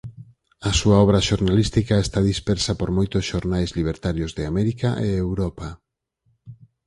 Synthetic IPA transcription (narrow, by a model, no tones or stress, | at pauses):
asuaɔβ̞ɾaʃoɾnalist̪ikaest̪aðispɛɾsapoɾmojt̪osʃoɾnajzliβ̞eɾt̪aɾjozðɪamɛɾikaʔḛewɾɔpa